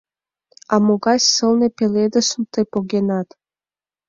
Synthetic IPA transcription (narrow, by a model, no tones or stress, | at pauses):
ɑmoɡɑsʲsɨlnepelʲed̪əsumt̪ʰepoɡʲenɑt̪